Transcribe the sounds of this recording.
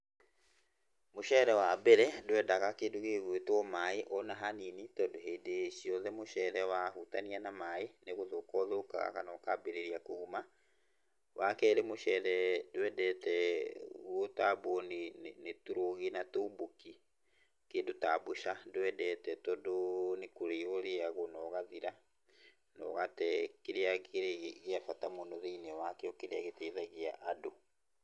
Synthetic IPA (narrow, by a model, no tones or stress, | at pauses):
moʃɛɾɛwabɛɾɛdowɛdaɣakeːdoɣeɣwetwɔmaeʔɔnaɦaninitɔdoɦedeʃiɔðɛmoʃɛɾɛwahutanianamaeneɣoðoːkɔðoka̰ɣa̰ka̰nɔkabeɾeɾiakoɣuma | wʔakɛɾemoʃɛɾɛdwɛdɛtɛɣotabɔninetuɾoɣinatubuki | kedutabuʃadwɛdɛtɛtɔdonikuɾiɣoɾeaɣonɔɣaðiɾa | nɔ̰ɣatɛkiɾeaɣeɾɣeafatamonɔðinɛwakɛɔkiɾiaɣetiðaɣiaʔadu